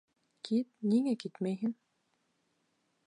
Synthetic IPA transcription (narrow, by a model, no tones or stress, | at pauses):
kʰit̪̚niŋækit̪mæjɦɘn